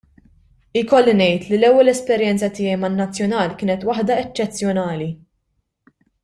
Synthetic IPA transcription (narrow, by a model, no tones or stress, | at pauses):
ɪkɔlːinɛjt̪lilɛwːɛlɛspɛɾjɛnt͡sɐt̪ɪːjɛjmɐnːɐt͡sːjɔnɐːlkɪːnɛt̪wɐħd̪ɐɛt͡ʃːɛt͡sːjɔnɐːli